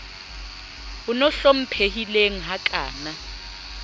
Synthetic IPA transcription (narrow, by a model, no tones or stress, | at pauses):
unɔɬom̩pʰehileŋ̩ɦakʼa̰ːna